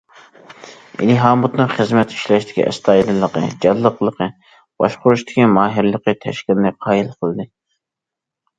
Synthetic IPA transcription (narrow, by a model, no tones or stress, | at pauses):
ḭlɪɦɑːmut̪nɨŋχəzmɛt̪ʰi̥ʃlɛʃt̪ʰɪ̥kʲḭʔɛ̰st̪ʰɑːilˠɨlˠəqə̰d͡ʒɑlːəqlˠəqə | b̥ɑ̰ʃqʊɾuʃt̪ʰɪ̥kʲʰimɑːɦɪɾlˠəqət̪ʰɛ̰ʃkʲilnɨqʰɑːilˠqʰəlˠd̪ɨ